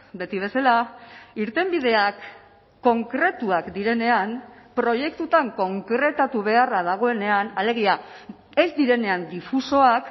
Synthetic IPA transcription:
be̞t̪iβ̞e̞salaiɾt̪e̞mbið̞e̞akː | o̞ŋkɾe̞t̪uakd̪iɾe̞ne̞anpɾo̞je̞kt̪ut̪aŋko̞ŋkɾe̞t̪at̪uβ̞e̞araðaɣ̞o̞e̞ne̞anale̞ɣ̞ia | e̞zd̪iɾe̞ne̞and̪ifuso̞ak

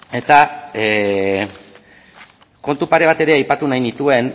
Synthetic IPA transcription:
e̞t̪a | ko̞nt̪upaɾe̞β̞at̪e̞ɾe̞ajpat̪unajnit̪ue̞n

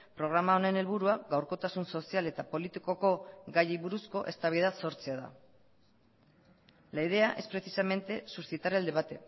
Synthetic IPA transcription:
pɾo̞ɣ̞ɾamao̞ne̞ne̞lβuɾuaɡawɾko̞t̪asunso̞siale̞t̪apo̞lit̪iko̞ko̞ɡajiβuɾusko̞ʔe̞st̪aβiðaso̞ɾt͡seaða̰ | laið̞e̞aʔe̞spɾe̞sisame̞nt̪e̞suɾsit̪aɾeld̪e̞βat̪e̞

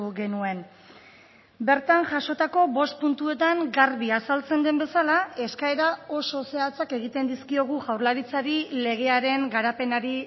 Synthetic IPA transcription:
ɣe̞nue̞n | be̞ɾt̪anʝaʃo̞t̪ako̞bo̞st̪̚punt̪ue̞t̪aŋɡaɾβiasalt͡se̞nd̪e̞mbe̞salae̞skae̞ɾao̞so̞se̞at͡sake̞ɣit̪e̞nd̪iskio̞ɣ̞uʝawɾlaɾit͡saɾile̞ɣ̞e̞aɾe̞ŋɡaɾape̞naɾi

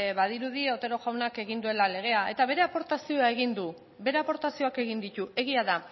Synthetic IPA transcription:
βaðiɾuðiot̪e̞ɾo̞ʝawnake̞ɣ̞ind̪ue̞lale̞ɣ̞e̞ae̞t̪aβ̞e̞ɾe̞apo̞ɾt̪asio̞ae̞ɣ̞ind̪u | be̞ɾe̞apo̞ɾt̪asio̞ake̞ɣind̪it̪ue̞ɣ̞iaða

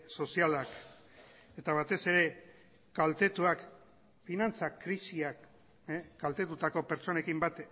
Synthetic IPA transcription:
so̞sialak | e̞t̪aβ̞at̪e̞se̞ɾe̞ | kalt̪e̞t̪uak | finant͡sakɾisiak | ɡalt̪e̞t̪ut̪ako̞peɾt͡so̞ne̞kimbat̪

